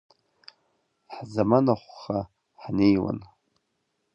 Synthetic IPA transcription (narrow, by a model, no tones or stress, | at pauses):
ħzamanaχʷːa | ħnejwa̰n